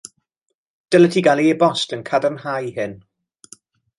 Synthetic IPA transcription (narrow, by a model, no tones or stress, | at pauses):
d̥ələtʰiɡalˠiebɔstənkʰadənhajhɪn